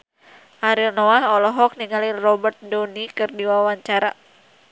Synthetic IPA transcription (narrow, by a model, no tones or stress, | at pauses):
ʔaɾilnɔaɦɔlɔɦɔk̚niŋalirɔbərt̪̚donikɨrdiwawaɲt͡ʃaɾa